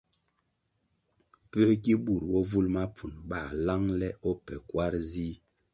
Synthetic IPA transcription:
pə˦ki˦bu˨ɾbɔ˦vu˦lma˦p͡fu˨nɓa˦˨la˦ŋlɛ˦ɔ˦pɛ˨kwa˦ɾzi˦

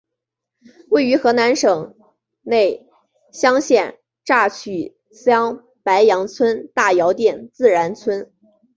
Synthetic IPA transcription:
we˥˩ɪy˧˥xɤ˧˥na˧˥nʂɤ˨˩ŋ | ne˥˩ɪ | ɕjɑ˥ŋɕjɛ˥˩n | ʈ͡ʂa˥˩t͡ɕʰy˨˩ | sjɑ˥ŋ | pa˧˥ɪjɑ˧˥ŋt͡sʰwə˥nt̪a˥˩jɑ˧˥ʊt̪jɛ˥˩nt͡sɹ̩˥˩ɻa˧˥nt͡sʰwə˥n

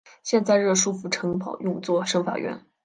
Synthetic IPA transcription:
ɕjɛ˥˧nt͡sa˥˧ɪɻɤ˥˩ʂu˥fu˧˥˩ʈ͡ʂʰɤ˧˥ŋpʰɑ˨˩ʊjʊ˥˧ŋt͡swɔ˥˩ʂɤ˥ŋfa̰˨˩ɥɛ̰˥˩n

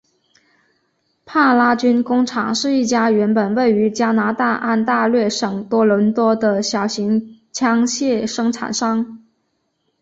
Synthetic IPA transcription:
pʰa˥˩la˥t͡ɕy˥nkʊ˥ŋʈ͡ʂʰɑ̰˨˩ŋʂɻ̩˥˧i˥˩t͡ɕja˥ɥɛ˧˥npə˨˩nwe˥˩ɪy˧˥t͡ɕja˥na˧˥t̪a˥˧ʔa˥˧nt̪a˥˧lɥɛ˥˩ʂɤ˨˩ŋt̪wɔ˥lə˧˥nt̪wɔ˥d̪ə˧ɕjɑ˨˩ʊɕi˧˥ŋt͡ɕʰjɑ˥ŋɕjɛ˥˩ʂɤ˥ŋʈ͡ʂʰa̰˨˩nʂɑ˥ŋ

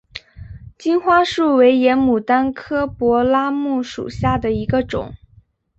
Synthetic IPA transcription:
t͡ɕi˥nxwa˥ʂu˥˩we˧˥ɪjɛ˧˥nmu˨˩t̪a˥nkʰɤ˥pwɔ˧˥la˥mu˥˩ʂṵ˨˩ɕja˥˩d̪ə˩i˧˥ɡə˧ʈ͡ʂʊ̰˨˩˦ŋ

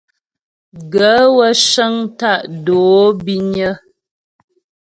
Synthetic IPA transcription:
ɡə˨˦wə˦ʃə˦ŋta˦˨ʔdoː˨˦bi˦ɲə˦

